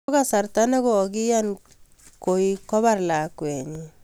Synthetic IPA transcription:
ka˦sa˨ɾta˦na˦kɔ˨ɡi˦ja˦n | ko˨i˦kɔ˦βa˦ɾla˨kwɛ˨ɲi˨

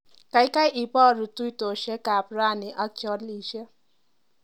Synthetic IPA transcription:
ka˨ɪ˦ka˦jʔi˨pɔ˦˨ɾʊ˨tu˦i˦to˨ʃe˦ka˨pɾa˦˨nɪ˨ʔa˦k̚t͡ʃɔ˦li˨ʃe˦

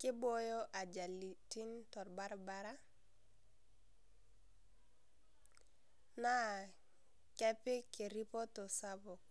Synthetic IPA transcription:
kɪ˦bo˦jo˦ʔa˨d͡ʒa˨li˨ti˦ntɔ˨ɾba˦ɾba˦ɾa˦ | na˦ | kɛ˦pɪ˦kɪ˨ɾi˦pɔ˦tɔ˨sa˦bɔ˨

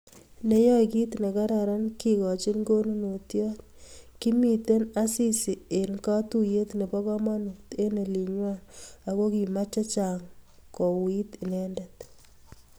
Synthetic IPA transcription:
ne˦jɔ˦jki˦t̪ne˨ka˦ɾa˨ɾa˦nki˨kɔ˨t͡ʃi˦nɡo˦nu˦no˨tjɔ˦t̚ | ki˦mi˨te˦na˦si˦si˨e˨nka˦tu˦je˦t̪ne˨pɔ˦kɔ˦ma˦nu˨kte˦ne˨li˨ɲwa˦na˨ko˦ki˨ma˦t͡ʃa˦t͡ʃa˨ŋ | ko˨wi˦ti˨nɛ˦ndɛt

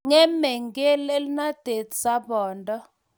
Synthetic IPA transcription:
ŋɛ˦mɛ˨ŋɡɛ˦le˦lna˦d̥ʱe˨tsa˦bɔː˨ndʱɔ˦

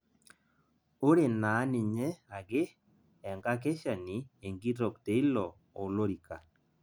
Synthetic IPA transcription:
o˦ɾe˨na˨˦nɪ˨ɲɛ˦a˨ɡɪ˦ | ɛ˨ŋɡa˦k̬e˦ʃa˨nɪ˨e˨ŋɡi˦ɾɔ˨kte˨i˦lɔ˨ | o˨lo˦ɾi˨ka˨

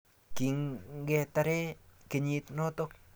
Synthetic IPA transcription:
ki˨ŋɡɛ˨ta˨ɾɛ˦kɪ˨ɲi˦tno˦to˦k

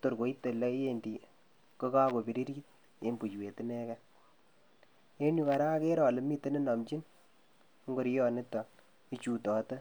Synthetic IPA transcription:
to˨ɾko˨i˦tːe˨le˦je˨ndi˨ | ko˦ka˦ko˨bi˨ɾi˦ɾi˦t̚ | e˦mbu˨t͡ʃwe˨ti˦ne˦kɛ˦ | e˦nu˦ka˨ɾa˦ke˦ɾɔ˨lɪ˨mi˦te˦nɪ˦na˨mt͡ʃi˦n˦ | ŋɡo˨ɾi˦jɔ˨nɪ˦tɔ˨ | i˦t͡ʃu˨tɔ˨to˦

